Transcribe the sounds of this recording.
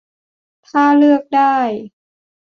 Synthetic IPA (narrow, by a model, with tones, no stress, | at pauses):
t̪ʰaː˥˩lɯ˥˩ək̚daː˥˩j